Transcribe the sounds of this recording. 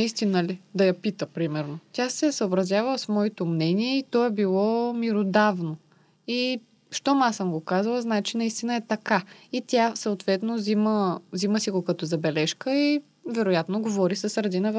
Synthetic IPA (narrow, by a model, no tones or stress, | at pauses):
nist̪inəlid̪ɐjɐpit̪əpɾimɛɾnot̪ʲjasɛsəobɾɐzʲjavɐsmɔit̪omnɛniɛit̪ɔɛbilˠɔmiɾod̪avno | i | ʃt̪ɔmasəmɡokazəlˠəznaɛt͡ʃinɐist̪inəɛt̪ɐkait̪ʲasɐːt̪vɛt̪noziməziməsiɡokɐt̪ɔzɐbɛlɛʃkəi | vɛɾojat̪noɡovɔɾisɐsɾɐd̪inɐv